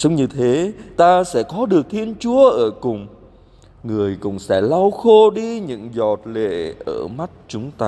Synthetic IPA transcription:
zə˨˦wŋ͡mɲɨ˧t̪ʰe˨˦t̪aː˧sɛ̰˧˥kɔ˨˦ɗɨ˨˩ək̚t̪ʰi˧ənt͡ɕu˨˦əʔəː˧˩kʊ˨˩ŋ͡m | ŋɨ˨˩əjkʊ̰˧˩ŋ͡msɛ̰˧˩la˧wxo˧ɗi˧ɲɨ̰˧˥ŋzɔ˨˩t̚lḛ˧˨ʔəː˧˩ma˦˥t̚t͡ɕʊ˨˦ŋ͡mt̪aː˧

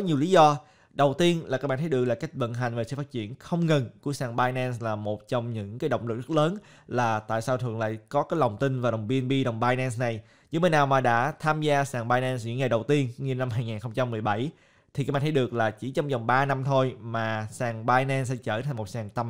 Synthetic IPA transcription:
kɔ˨˦ɲi˨˩əwli˨˦zɔ˧ | ɗə˨˩wt̪i˧ənlaː˨˩ka˦˥k̚ɓaː˧˨t̪ʰjɨ˨˩ək̚laː˨˩ka˦˥jk̟̚və̰˧˨nɦa˨˩jŋ̟ve˨˩sɨ̰˧˩faː˦˥t͡ɕḭ˧˩ənxə˧wŋ͡mŋə˨˩nku˧˩əsaː˧˩ŋɓaː˧jnɛ˧nslaː˨˩mo˨˩t̚t͡ɕɔ˧wŋ͡mɲɨ̰˧˥ŋkaː˨˦jɗə̰˧˨wŋ͡mlɨ˨˩k̚zt̚ləː˨˦n | laː˨˩t̪a̰ː˧˨jsaː˧wt̪ʰɨ̰˨˧˨əŋla̰ː˧˨jkɔ˨˦kaː˨˦jlə˨˩wŋ͡mt̪ï˧ŋ̟vaː˨˩ɗə˨˩wŋ͡mɓi˧nɓi˧ɗə˨˩wŋ͡mɓaː˧jnɛ˧nsna˨˩j | ɲɨ̰˧˥˦ŋmə˨˦jnaː˨˩wmaː˨˩ɗa̰ː˧˥t̪ʰaː˧mzaː˧saː˨˩ŋɓaː˧jnɛ˧nsɲɨ̰˧˥ŋa˨˩jɗə˨˩wt̪i˧ənŋi˧na˧mɦaː˧jŋaː˨˩nxə˧ŋ͡mt͡ɕa˧mːɨ˨˩əjɓa˧˩j | t̪ʰi˨˩aː˦˥ɓaː˧˨˩ɗɨ˨˩ək̚laː˨˩t͡ɕi˧˩t͡ɕɔ˧wŋ͡mzə˨˩wŋ͡mɓaː˧na˧mt̪ʰo˧jmaː˨˩saː˨˩ŋɓaː˧jnɛ˧nsɛ̰˧˥t͡ɕəː˧˩t̪ʰŋmo˨˩t̚saː˨˩ŋt̪ə˧˩m

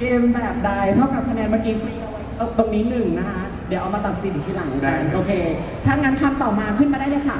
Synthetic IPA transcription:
keː˧mbɛː˨˩p̚da˥˩jt̪ʰa˥˩ka˨˩p̚k̪ʰa˧nɛː˧nmaː˥˩kiː˦fɾiː˧ʔa˧kːʔa˧˩t̪o˧ŋniː˦˥nɯ˨˩ŋna˦˥kʰa˦˥ | di˩˦wʔa˧wmaː˧t̪a˨˩t̪̚si˨˩n˨˩t̪iː˥˩la˨˩˦ŋ˧˩a˧˩ʔoː˧kʰeː˧ | t̪ʰaː˥˩ŋaː˧˥nkʰa˧mt̪ɔː˨˩maː˧kʰɯ˥˩nmaː˧ɾaː˥˩na˥˩kʰa˦˥˩

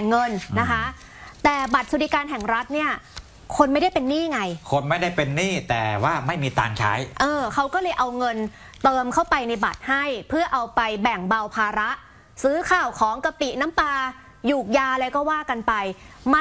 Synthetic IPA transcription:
ŋɤ˧nna˦˥kʰa˦˥ | t̪ɛː˨˩ba˨˩t̪̚su˧di˧˩kaː˧nɦɛ˨˩ŋɾa˦˥t̪̚ni˥˩ɐ | kʰo˧nma˥˩jda˥˩jpe˧nːiː˥˩˨ŋa˧jkʰo˧nma˥˩jda˥˩jpe˧nːiː˥˩t̪ɛː˨˩waː˥˩ma˥˩jmiː˧t̪a̰ː˧ŋt͡ɕʰa̰ː˦˥jʔɤː˧kʰa˦˥wkɔː˥˩lɤː˧jʔa˧wŋɤ˧n | t̪ɤː˧mkʰa˥˩wpa˧jna˧jba̰˨˩t̪̚ha˥˩jpʰɯ˥˩ɐʔa˧wpa˧jbɛ˨˩ŋba˧wpʰaː˧ɾa˦˥ʔ | sɯː˦˥kʰaː˨˩wkʰɔː˩˦ŋka˧t̪i˨˩na˦˥mpaː˧ | juː˨˩k̚jaː˧lɛː˧˥wkɔː˥˩waː˥˩ka˧npa˧j | ma˦˥

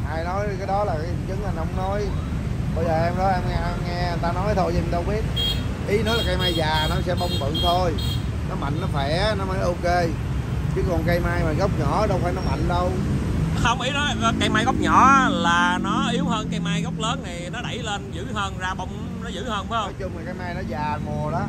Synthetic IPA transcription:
ʔaː˧jnɔ˨˦jkaː˨˦jɗɔ˨˦laː˨˩kɨ˨˩nt͡ɕɨ˨˦ŋʔa˧jŋ̟hə˧wŋ͡mnɔ˨˦j | ɓə˧jzəː˨˩ʔɛ˧mɗɔ˨˦jʔɛ˧mŋɛ˧ŋɛ˧a˨˩nt̪aː˧nɔ˨˦jt̪ʰo˧jt̪aː˧˦ɓi˦˥ət̚ | ʔi˨˦nɔ˨˦jlaː˨˩ka˧jmaː˧jzaː˨˩nɔ˨˦sɛ˧ɓə˧wŋ͡mɓɨ̰˧˨ŋt̪ʰo˧j | nɔ˨˦ma̰˧˨jŋ̟nɔ˨˦fa˧˩jnɔ˨˦məː˨˦jʔo˧ke˧ | t͡ɕɨ˨˦kɔ˨˩nka˧jmaː˧jma̰˨˩nɣə˦˥wk͡p̚ɲɔ̰˧˩˦ɗə˧wfaː˧˩jnɔ˨˦ma̰˧˨jŋ̟ɗə˧whə˧wŋ͡mʔi˨˦nɔ˨˦˨ka˧jma˧jɣɔ˦˥wk͡p̚ɲɔ̰˧˩˦laː˨˩nɔ˨˦ʔi˨˦əwɦəː˧nkaː˧jmaː˧jɣɔ˦˥wk͡p̚ləː˨˦nːa˨˩jnɔ˨˦ɗə˧˩jleː˧nzɨ̰˧˩˥həː˧nzaː˧ɓə˧wŋ͡m | nɔ˨˦zɨ̰˧˥həː˧nva˨˦hjt͡ɕʊ˧ŋ͡mma˨˩kaː˨˦jmaː˧jnɔ˨˦zaː˨˩mo˨˩ɗɔ˨˦

